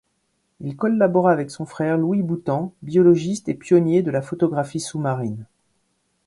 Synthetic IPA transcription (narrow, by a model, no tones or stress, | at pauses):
ilkɔlːabɔʁaːvɛksɔ̃fχɛʁluwibut̪ɑ̃bjɔlɔʒist̪epjɔnjed̪əlafɔt̪ɔɡʁafisumaʁin